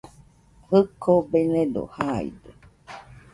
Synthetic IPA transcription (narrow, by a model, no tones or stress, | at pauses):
hɨkʰobened̪o̰haḭd̪e